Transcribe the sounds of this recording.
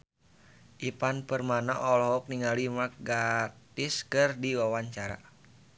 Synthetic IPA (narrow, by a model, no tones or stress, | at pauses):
ʔipanpərmanaʔɔlɔɦɔk̚niŋalimak̚ɡat̪ɪskɨrdiwawaɲt͡ʃaɾa̰